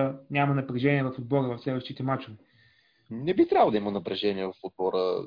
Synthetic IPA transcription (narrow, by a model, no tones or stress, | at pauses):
nʲamɐnɐpɾɛʒɛniɛvɐfʊd̪̚bɔɾəvɐfslɛvɛʃt̪it̪ɛmat͡ʃʊvɛ | nɛbit̪ɾʲavlˠd̪ɐimənɐpɾɛʒɛniɛvɐfod̪̚bɔɾə̰